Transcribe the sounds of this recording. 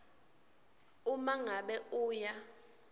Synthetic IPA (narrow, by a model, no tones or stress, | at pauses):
umaŋaɓɛuːja